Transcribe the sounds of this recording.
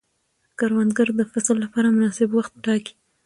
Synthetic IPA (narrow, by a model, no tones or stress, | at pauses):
kaɾwand̪ɡəɾd̪əfaslːapɑɾamʊnɑsɪbwaxt̪̚ʈɑki̥